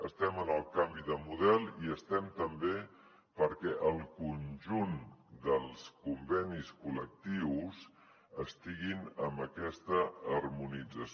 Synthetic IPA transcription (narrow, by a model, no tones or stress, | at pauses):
əst̪ɛmənəlˠkambiðəmuðɛlˠiəst̪ɛmt̪əmbe | pəɾkɛʔəlˠkunʒund̪əlˠskumbɛniskulək̚t̪iws | əst̪iɣinəmbəkɛst̪əːrmunid͡zəs